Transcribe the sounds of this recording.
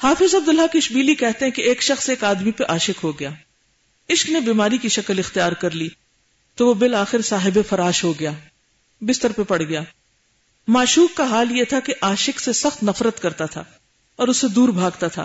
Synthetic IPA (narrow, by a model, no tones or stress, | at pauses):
haːfɪzɐb̚d̪ʊlɦakɪʃbiːlikɛɦt̪eɦɛ̃keeːkʃɐxseːkaːd̪mipɐɾʔaːʃɪkɦoɡɐjaː | ɪʃknebiːmaːɾikiʃɐkəlɪxt̪ijaːɾkɐɾliː | t̪oʋobɪlaːxɪɾsaːɦɪbefɐɾaːʃɦoɡɐjaː | bɪst̪əɾpepɐɽ̤ɡɐjaː | maːʃuːkːaɦaːljet̪ʰakeʔaːʃɪksesɐxt̪nɐfɾət̪kɐɾt̪at̪ʰa̰ː | ɔːɾʊsːed̪uːɾbʱaːɡt̪at̪ʰa̰ː